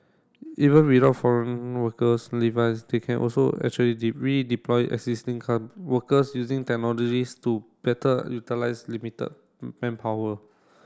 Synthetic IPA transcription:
ʔivə̃nwidaʊtfɔɹə̃nwəkəslivaɪsdekʰɛ̃nʔɔ̰lso̰ɛ̰k̚t͡ʃuəlidiɹidiplɔjʔɛ̰ɡsistĩŋkʰawəkəsjuzĩŋtɛk̚nɔlɔd͡ʒistub̥ɛtəjutilaɪslimitə̰d̚ | pɛ̃npʰawə

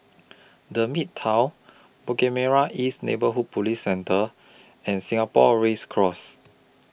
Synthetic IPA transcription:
dəmittʰːãw | bokɛmɛɹaʔisnḛbəɦud̚pʰulisːɛ̃ntʰə | ɛ̃nsĩŋapɔ̰ɹeskʰɹɔs

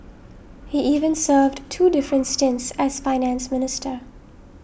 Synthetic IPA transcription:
hiʔiːvə̃nsɜːvdtʰuːdɪfɹə̃ntstɪ̃nsæz̥faɪnæ̃nsmɪnɪstʰə˞

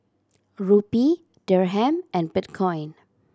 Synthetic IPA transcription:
ɹupi | dɛɹɦɛ̃mɛ̃nbitkʰɔ̃jn

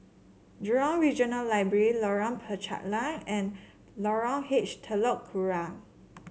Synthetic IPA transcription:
dɔ̃ŋɹid͡ʒɔ̃nəlːaɪbɹɛɹilɔɹɔ̃npʰət͡ʃa̰ʔlãŋɛ̃n | lɔɹɔ̃ŋhet͡ʃtʰəlɔʔkʰuɹa

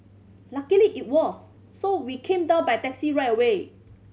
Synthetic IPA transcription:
lakəliʔit̚wɔsː | owikʰẽmdãʊ̃nbajtɛksiɹajtəwe

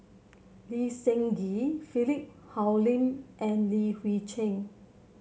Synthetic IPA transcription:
lisɛ̃ŋɡifilip̚ | hawlĩnʔɛ̃nliwit͡ʃɛ̃ŋ

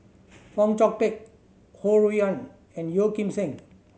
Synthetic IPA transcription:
fɔ̃mt͡ʃɔk̚tek̚ | hoɹiɔ̃n | ɛ̃njokĩmsɛ̃ŋ

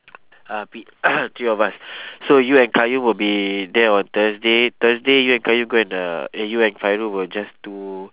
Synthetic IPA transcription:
api | t̪ɹiɔvassojuɛ̃nkajũmwɪlbidɛɔ̃nt̪əsdet̪əsdejuɛ̃nkajũmɡoɛ̃nʌ̰ɛjuɛ̃nfajɹuwɪld͡ʒastu

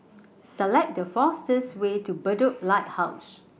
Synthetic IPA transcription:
səlɛk̚dəfastəswetubədəp̚laɪt̚haʊs

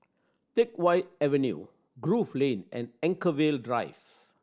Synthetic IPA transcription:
tɪkwaɪt̚ɛvɛnjṵ | ɡɹuflẽnɛ̰̃nɛ̃ŋkəweldɹaɪv

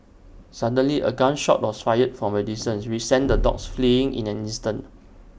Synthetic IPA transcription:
sadə̃nliʔə̰ɡãnʃɔ̰t̚wɔsfajət̚fɔ̃mɛdisə̃nswisɛ̃ndədɔ̰ksfliɪ̃ŋḭ̃nɛ̃nĩnstãnt

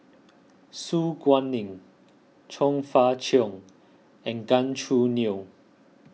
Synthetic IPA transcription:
suːɡwãnĩŋ | t͡ʃʰɔ̃ŋfat͡ʃʰiŋ | ɛ̃nɡãnt͡ʃʰuni

